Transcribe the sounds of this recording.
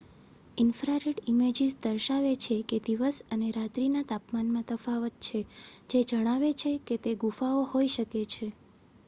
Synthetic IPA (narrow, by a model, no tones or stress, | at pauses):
ɪnfɾaɾeɖimed͡ʒizd̪əɾʃaʋet͡ʃʰeked̪iʋəsəneɾat̪ɾinat̪apmanmãt̪əfaʋət̪̚t͡ʃʰed͡ʒed͡ʒəɽ̃aʋet͡ʃʰeket̪eɡufaohoiʃəket͡ʃʰe